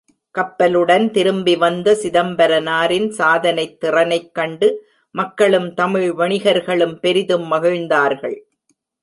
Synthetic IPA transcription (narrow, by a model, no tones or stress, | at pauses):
kɐpːɐlɯɽɐnt̪ɪɾɯmbɪʋɐnd̪ɐsɪðɐmbɐɾɐnaːɾɪnsaːðɐnɐɪt̪ːɪrɐnɐɪkːɐɳɖɯ | mɐkːɐɭɯmt̪ɐmɪɻʋɐɳɪɣɐɾɣɐɭɯmpɛɾɪðɯmːɐɣɐɻnd̪aːɾɣɐɭ